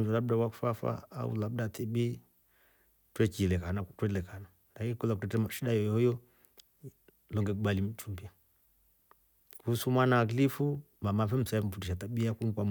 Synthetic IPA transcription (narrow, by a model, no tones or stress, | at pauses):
d͡ʒɔlaɓdawaku̥fafa̰a̰ṵlabdatʰibi | twɛkilɛkanatwɛlɛkana | lakikɔlakutɛtɛmaʃiɗajɔjɔhɔjɔ | lɔŋɡɛkuɓalim̩t͡ʃumbia | husumwanaaɡlifu | mamafɛm̩sam̩futiʃataɓiakum̩kwam